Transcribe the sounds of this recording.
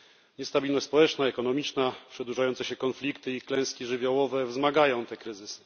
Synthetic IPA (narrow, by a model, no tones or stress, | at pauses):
ɲɛst̪abʲilnɔɕʲtspɔwɛt͡ʂnaɛkɔn̪ɔmʲit͡ʂnapʂɛd̪wuʐajɔnt̪sɛɕɛkɔnflʲikt̪ɘiklɛ̃w̃skʲiʐɘvʲjawɔvɛvzmaɡajɔ̃w̃t̪ɛkɾɘzɘsɘ̥